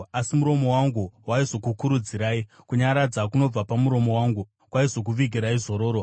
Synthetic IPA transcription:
asimuɾo̞mo̞waŋɡuwaizo̞kukuɾud͡ziɾaːi | kuɲaɾad͡zakuno̞b͡vapamuɾo̞mo̞waŋɡu | kwaizo̞k̬uʋiɡʱiɾaizo̞ɾo̞ːɾo

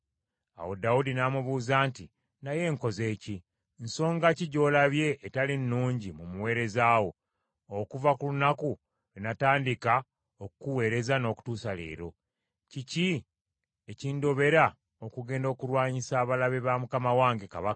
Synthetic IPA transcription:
a̰wo̞daudinamuβuːzaːnti | naje̞ŋko̞ze̞ːci | nso̞ːŋɡaciɟo̞ːlaβje̞ʔːtalinːuːɲɟimumuwe̞ːɾe̞zaːwo̞ | okuvakulunaku | linataːndika | okukuwe̞ːɾe̞zano̞ːku̥tuːsale̞̰ːɾo̞ | cici | eciːndo̞βe̞ɾa | okuɡe̞ːndo̞ːkuɾwaːɲisaːβalaβeβamukamawaːŋɡekaβakḁ

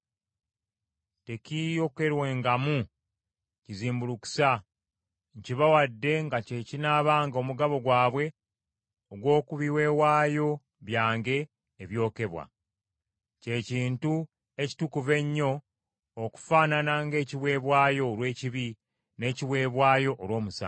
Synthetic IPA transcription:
te̞cijo̞ke̞ɾwe̞ːŋɡamu | ciziːmbuluku̥sa | ɲciβawadːe̞ŋɡacecinaβaːŋɡo̞muɡaβo̞ɡwaːβwe̞ | oɡwo̞ːkuβiwe̞ːwaːjo̞ | βjaːŋɡe̞ː | βjo̞ːke̞βwa̰ | ce̞ciːntu | e̞ci̥tukuve̞ɲːo̞ː | ku̥faːnanaːŋɡe̞ːciβwe̞ːβwaːjo̞ːlwe̞ːciβi | ne̞ːciwe̞ːβwaːjo̞ʔːlwo̞ːmusa̰

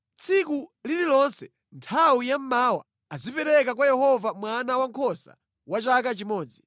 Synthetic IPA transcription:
t͡sʰikulililɔnsɛ | ntʰawujam̩maːwa̰ | azipɛɾɛkak̬wajɛhɔvamwanawaŋkʰɔsa̰ | wat͡ʃak̬at͡ʃimɔːd͡zi

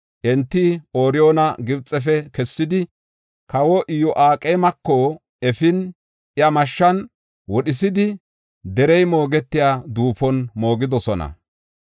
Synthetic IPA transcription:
ʔɛnt̪ːɪoːɾɪjoːnɐɡɪbt͡sʼːɛf̬ɛkɛsːɪd̪ɪ | kɐwɔʔɪjɔʔaːkʼɛjmɐkːɔ | ɛfɪn | ɪɐmɐʃːɐn | wɔɗɪs̬ɪd̪ɪ | d̪ɛɾɛjmo̞ːɡɛt̪ːɪjaːd̪uːpɔnmo̞ːɡɪd̪ɔsɔnɐ̰

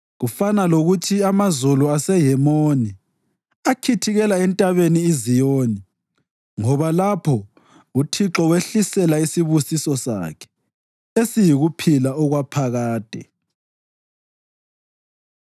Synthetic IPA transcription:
ɣufanaloɣutʰiamazuluasɛɦɛmoni | akʰitʰiɣɛlaɛntʼaβeniːzijoːni | ŋɔβalapʰɔ | utʰiǁɔɣweɬisɛlaisiβusisɔsa̰kʰɛ̥ | esijiɣupʰilaɔɣwapʰaɣaːd̥ʱɛ̰

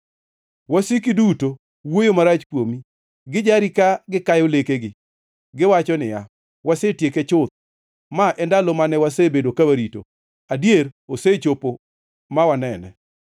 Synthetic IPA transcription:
wasikiduto | wojomaɾat͡ʃkwomi | ɡɪd͡ʒaɾikaɡɪkajɔlekeɡɪ | ɡɪwat͡ʃɔnɪja | wasetjeket͡ʃʊt̪̚ | maʔɛndalɔmanɛwasebedokawaɾito̰ | adjeɾoset͡ʃopo | mawanɛnɛ̰

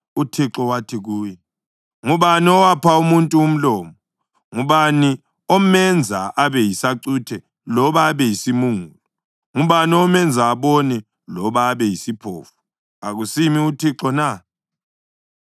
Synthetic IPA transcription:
utʰiǁɔwatʰiɣuːjɛ | ŋuβaniɔwapʰaumuntʼuːm̩lɔːmɔ | ŋuβani | ɔmɛnd͡zʱaʔaβɛjisaǀutʰɛ | lɔβaːβɛjisimuŋuːlɔ | ŋuβaniɔmɛnd͡zʱaːβɔnɛ | lɔβaːβɛjisipʰo̰ːfu̥ | aɣusimiutʰiǁɔna

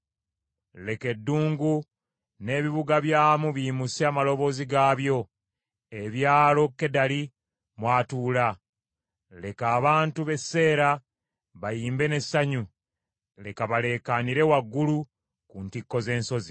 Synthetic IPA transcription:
le̞ke̞dːuːŋɡu | ne̞ːβiβuɡaβjaːmuβiːmuseamalo̞βo̞ːziɡaːβjo̞ | e̞βjaːlo̞kːe̞dali | mwaːtuːla | le̞kaːβaːntuβe̞se̞ːɾa | βajiːmbe̞ne̞sːaɲu | le̞kaβale̞kaniɾe̞waɡːulu | kuntikːo̞ze̞ːnso̞zi

